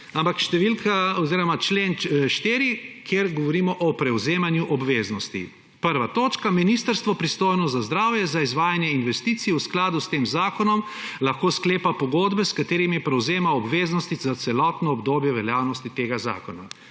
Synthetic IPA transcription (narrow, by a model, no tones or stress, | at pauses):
ampakʃt̪ɛʋilkʰaɔziːɾɔmat͡ʃleːnʃt̪eːɾikʰjeɾɡɔʋɔɾiːmɔʔɔpɾɛwzeːmanjuʔɔbʋeːznɔst̪ḭ | pəɾʋat̪oːt͡ʃkaminist̪əɾst̪ʋɔpɾist̪oːjnɔst̪zazd̪ɾaːwjɛzaizʋaːjanjɛinʋɛst̪iːt̪sijusklaːd̪ust̪eːmzaːkɔnɔm | laxkoːskleːpapɔɡod̪bɛskat̪eːɾimipɾɛwzeːmaɔbʋeːznɔst̪izat̪sɛlɔt̪nɔːbd̪oːbjɛʋɛljaːwnɔst̪it̪eːɡaza̰ːkɔna